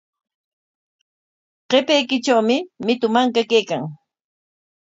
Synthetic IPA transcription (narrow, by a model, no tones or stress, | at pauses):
qepejkɪt͡ʃawmɪmɪt̪ʊmaŋkakejkaŋ